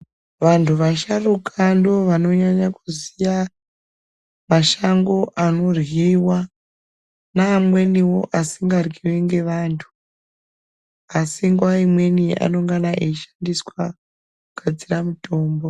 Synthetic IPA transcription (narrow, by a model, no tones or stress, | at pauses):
ʋantʰuʋaʃarukʰandoʋano̞ɲaɲakuzija | maʃaŋɡo̞ʔano̞rwiwa | naːmwe̞niwo̞ʔasiŋɡarɡʱiweŋɡe̞ʋaːntʰu̥ | asiŋɡuwaimwe̞nia̰no̞ŋɡanaʔeiʃandiswa | kuɡ̥ad͡ziramuto̞ːmbo̞